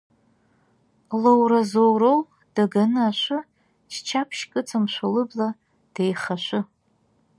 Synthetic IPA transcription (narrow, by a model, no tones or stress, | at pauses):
lowɾazowɾow | d̥aɡanɨaʃʷʊ | t͡ʃʰt͡ʃʰapʰʃkʼɨt͡sʰamʃʷalɨbla | d̥ejχaʃʷʊ